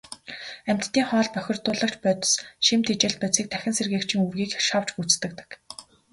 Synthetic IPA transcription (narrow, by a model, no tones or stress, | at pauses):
æm̥ʲt̪t̪ːiːŋχɔːɮpœxʲɪ̆rt̪ʊːɮə̆kt͡ɕpœːt̪̆sʃimt̪ʰet͡ɕĕːɬpœt͡siːk̚t̪ʰæxʲɪ̆nserɣeːkt͡ɕʰĭŋurɣiːkʃaw̥t͡ɕɡut͡st̪ɘ̆k̚t̪ɘ̥̆k